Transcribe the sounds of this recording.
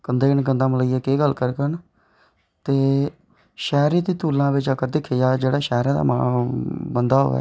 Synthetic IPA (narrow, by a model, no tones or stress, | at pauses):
kənd̪eːkəɳk̬ənd̪aːmələiːɛːkeːɡəlkəɾkəɳ | t̪eː | ʃɛːɾiːt̪iːt̪uːlãːbɪt͡ʃəkəɾd̪ɪkʰːeːjaːd͡ʒeːɽaːʃɛːɾãːd̪a̰ːmãːbənd̪aːɦo̰ːɛ̰ː